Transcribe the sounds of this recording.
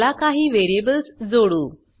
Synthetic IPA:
lakaɦiːʋeɾiebəlsd͡zoɽuː

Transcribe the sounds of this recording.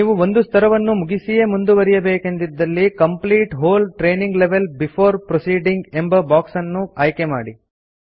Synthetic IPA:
niːʋuo̞nd̪ust̪ʰɐɾɐʋɐnːumuɡisije̞mund̪uʋɐɾijɐbeːke̞nd̪id̪ːɐlːikɐmpliːʈɦoːlʈɾeːniŋɡleʋelbifʰoːɾpɾosiːɖiŋɡembɐbaːksɐnːuaːjkema̰ːɽi

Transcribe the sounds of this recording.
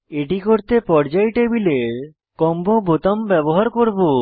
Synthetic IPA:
eʈikoɾt̪epɔɾd͡ʑajʈebileɾ | kɔmbobot̪ambɛboɦaɾkoɾbo

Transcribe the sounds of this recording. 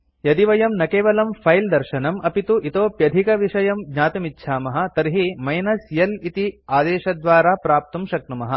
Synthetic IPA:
jɐd̪iʋɐjɐmnɐkeːʋɐlɐmpʰɐjld̪ɐɾʃɐnɐmʔɐpit̪uʔit̪oːpjɐd̪ʱikɐʋiʂɐjɐmɡɲaːt̪ɐmitːʃʰaːmɐɦɐ̆t̪ɐɾɦimɐjnɐsjɐlit̪iaːd̪eːʃɐd̪ʋaːɾaːpɾaːp̚t̪umʃɐk̚numɐɦɐ̆

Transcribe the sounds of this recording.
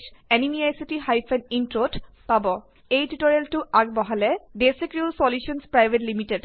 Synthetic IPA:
ʃɛnimiajsitiɦajfʰɛnintot | pabɔ | ejtuʈɔɹeltʊʔaɡ̚bɔɦalɛɖesekɹulsɔljuʃɔnspɹajbʱetlimited

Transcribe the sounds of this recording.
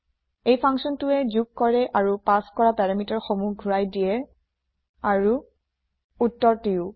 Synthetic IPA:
ejpʰaŋksɔntʊɛzuk̚kɔɹɛʔaɹupaskɔɹapɛɹamitɔɹxomuɡʱuɹajdijɛ | aɹu | utːɔɹtiʊ

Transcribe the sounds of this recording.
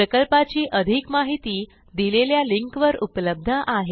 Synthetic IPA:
pɾəkəlpat͡ɕiːʔəd̪ʱikmaɦit̪iː | d̪ileljaliŋkʋəɾupləb̚d̪ʱəʔaɦe

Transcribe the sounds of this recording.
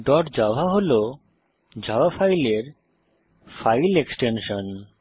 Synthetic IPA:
ɖɔʈd͡ʑaoɦaɦolo | d͡ʑʱawafajleɾ | fajleksʈenʃon

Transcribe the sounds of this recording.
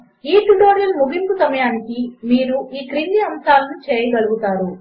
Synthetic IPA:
iːʈuʈo̞ːɾijɐlmuɡʱimpusɐmɐjaːnikimiːɾuʔiːkɾindiɐmsaːlɐnut͡ʃeːjɐɡɐluɡut̪aːɾu

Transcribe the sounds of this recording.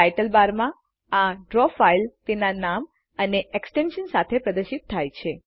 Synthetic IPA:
ajʈəlbaɾmã | aɖɾɔfailt̪enanam | əneʔeksʈenʃənsat̪ʰepɾəd̪əɾʃit̪ʰːajt͡ʃʰe

